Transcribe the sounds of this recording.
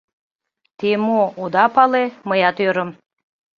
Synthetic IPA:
t̪emood̪ɑpɑleməjɑt̪øɾə̆m

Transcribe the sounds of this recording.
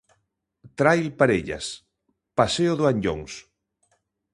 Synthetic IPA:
t̪ɾajlpaɾeʎa̰s | paseoðoaɲʎo̰ŋs

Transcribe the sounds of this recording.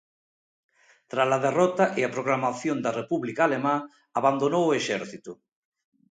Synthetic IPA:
t̪ɾasaðerɔt̪aʔeapɾoɣlamaθjond̪arepuβlikaːlemã | aβand̪onowʊeʃɛɾθit̪ʊ

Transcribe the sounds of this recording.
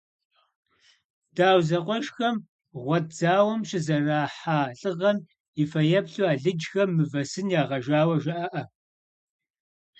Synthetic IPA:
d̥aːwzɐqʷʼɔʃxɐm | ʁʷɔtd͡zaːwɐmɕʼɪzɐraːħaːɬʼɨʁɐn | ifɐjɐpɬuaːɮɨd͡ʒxɐmːɨvɐsɨnjaːʁɐʒaːwɐʒɐʔɐʔɐ

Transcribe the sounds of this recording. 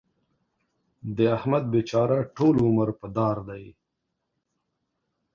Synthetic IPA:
d̪əahmad̪̚bet͡ʃɑɾaʈolʊməɾpəd̪ɑɾd̪aj

